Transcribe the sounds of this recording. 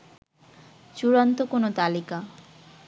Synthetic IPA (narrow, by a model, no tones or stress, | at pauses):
t͡ɕuɾant̪okonot̪alika